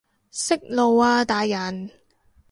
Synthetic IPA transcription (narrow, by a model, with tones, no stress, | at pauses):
sɪ˥k̚lo˨˧waː˧t̪aː˨˧jːɐ˨˩n